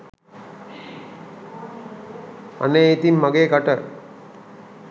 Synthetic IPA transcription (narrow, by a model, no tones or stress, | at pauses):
ɐ̰neit̪inmɐɡeːkaʈə